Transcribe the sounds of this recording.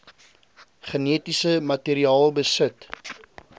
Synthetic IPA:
χəniətisəmɐtiːɾiɑːlˠbəsət

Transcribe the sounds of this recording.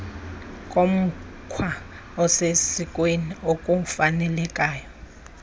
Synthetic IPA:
kʼom̩ | kʰwa | ɔsesikʼweniokʼum̩fanɛlɛkʼaːjɔ

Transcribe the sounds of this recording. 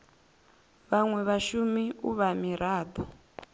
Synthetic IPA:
βaŋwɛβaʃumiṵβamiɾaːd̪ɔ

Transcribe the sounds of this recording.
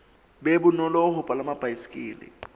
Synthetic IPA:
bebʊnɔlɔɦʊpʼalamab̥ʱajisi̥kʼiːlɪ̰

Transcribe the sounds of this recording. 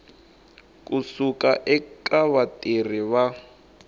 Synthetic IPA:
kusukaʔɛkʼaβatʼer̤iβa

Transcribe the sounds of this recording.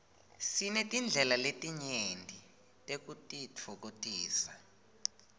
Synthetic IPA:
sinɛtʼind͡ɮʱɛlaletʼiɲendʱi | tʼek̬utʼit͡fʰɔk̬otʼiːsa

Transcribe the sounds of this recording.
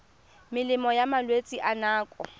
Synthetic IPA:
mɪlɪmɔjamalwet͡sʼiʔanaːkʼɔ

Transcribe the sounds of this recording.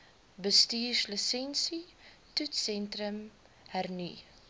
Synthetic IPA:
bəstiːʃləsɛnsi | tutsɛntrəm | hærni

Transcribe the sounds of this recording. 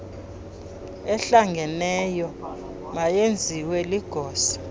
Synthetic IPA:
ɛɬaŋɡʱɛnɛjɔ | majend͡zʱiwɛliɡ̥ʱɔːsḁ

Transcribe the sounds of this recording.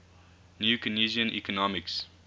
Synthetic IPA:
njuːkəniziə̃nʔḭkɔnɔmɪks

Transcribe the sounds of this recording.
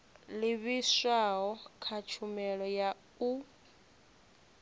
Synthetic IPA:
liβiswaɦɔkʰat͡ʃʰumɛɺɔja | u

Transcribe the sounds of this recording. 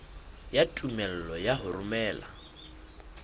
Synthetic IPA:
jatʼumɛl̩lɔjaɦʊrʊmɛːla̰

